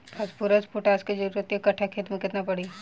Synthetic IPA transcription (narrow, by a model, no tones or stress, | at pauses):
pʰɐspuɾəspuʈaːsked͡ʒɐɾuɾət̪ːekɐʈʰakʰeːt̪mẽkɪt̪napɐɽiː